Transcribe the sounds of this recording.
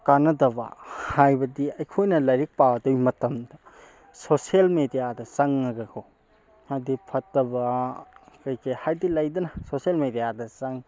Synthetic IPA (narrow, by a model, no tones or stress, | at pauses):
kanɐdɐbɐ̰hajbɐdiɐjkʰojnɐlɐjɾik̚pawdɐwjmɐtɐmdɐ | soselmedijadɐsɐŋːɐɡɐkʰo | hajdipʰɐtːɐbɐ | kɐjkʰehajdilɐjdɐnɐsosielmedijadɐsɐŋ